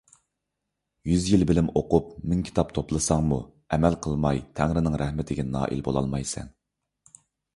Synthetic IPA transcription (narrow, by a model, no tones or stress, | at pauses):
jyzjilbɪlɪmoqup̚mɪnkʲʰi̥t̪ʰɑp̚t̪ʰoplˠɨsɑŋmu | ɛmælqʰəlˠmɑjt̪ʰæŋɾɪnɨŋɾɛhmɪt̪ʰɪɡʲɛnɑ̰ːʔḭlbo̰lˠɑ̰lˠmɑjsɛ̰n